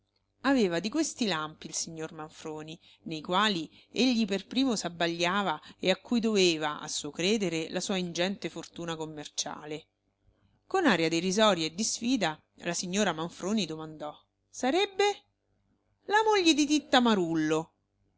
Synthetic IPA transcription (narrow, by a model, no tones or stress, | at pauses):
aveːvad̪ikwest̪ilampiːlsiɲːormaɱfɾoːni | nejkwaːli | eʎːiperpɾiːmosabaʎːaːvaeakːujd̪oveːvaʔa̰sːuːokɾeːd̪eɾelasuːaind͡ʒɛnt̪efort̪uːnakomːert͡ʃa̰ːle | konaːɾjad̪irizɔɾjaed̪ːisfiːd̪a | lasiɲːoːɾamaɱfɾoːnid̪omand̪ɔ | saɾɛbːe | lamoʎːed̪it̪̬it̪ːamaɾulːo